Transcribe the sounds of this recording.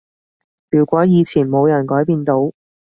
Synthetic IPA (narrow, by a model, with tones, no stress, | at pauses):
pyː˨˩wkʷɔː˨˥jiː˨˧t͡sʰiː˨˩nmo˨˧wjɐ˨˩nkɔː˨˥jpiː˧nt̪o˨˥w